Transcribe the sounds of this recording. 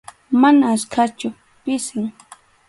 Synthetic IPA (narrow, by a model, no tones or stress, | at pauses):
manaːskʰat͡ʃʊ | pɪsɪŋ